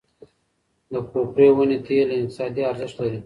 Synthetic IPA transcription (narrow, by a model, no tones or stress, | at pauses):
d̪əkopɾewənet̪ʰelaɪt̪ɪ̥sɑd̪iaɾzɪʃt̪laɾi